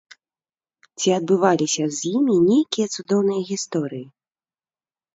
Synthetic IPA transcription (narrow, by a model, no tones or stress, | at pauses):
t͡sʲiɐd̪̚bɨvalʲisʲɐzʲjimʲinʲejkʲijɐt̪sud̪ɔwnɨjɐɣʲist̪ɔɾɨji